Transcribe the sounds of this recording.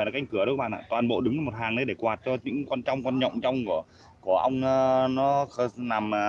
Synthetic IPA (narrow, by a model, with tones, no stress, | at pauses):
kːjŋkɨ˧˩əo˧˦kɓ̰ːʔaː˧˩t̪waː˨˩nɓo̰˧˨ɗɨ˨˦ŋə˧mo˨˩t̚haː˨˩ŋɗə˧jɗe˧˩kwaː˨˩t̚t͡ɕɔ˧ɲɨ̰˧˥ŋkwa˧nt͡ɕwŋ͡mkwa˧nɲɔ̰˧˨wŋ͡mt͡ɕɔ˧wŋ͡mku˧˩ə | ku˧˩əʔə˧wŋ͡mnɔ˨˦xə˧˩na˨˩m